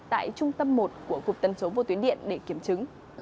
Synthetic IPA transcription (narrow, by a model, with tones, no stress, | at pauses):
t̪a̰ː˧˨jt͡ɕʊ˧ŋ͡mt̪ə˧mːo˨˩t̚ku˧˩əkʊ˨˩k͡p̚t̪ə˨˩nso˨˦vo̰˧˩t̪wi˨˦nɗḭ˧˨ənɗe˧˩ki˧˩əmt͡ɕɨ˨˦ŋ